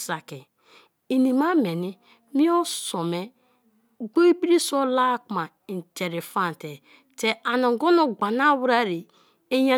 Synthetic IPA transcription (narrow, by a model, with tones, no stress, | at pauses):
sa˨ki˨ | i˨ni˨ma˦me˨ni˦ | mi˦o˦so˨me˦ | ɡo˦i˦bi˦ɾi˦so˦la˦kma˨ | i˨n˨te˨ɾi˨fa˦˨n˨te˨ | te˨ʔa˨no˨ɡo˦no˨ɡ͡ba˨na˦wu˦ɾa˦˨ɾi˨ | e˦ja˨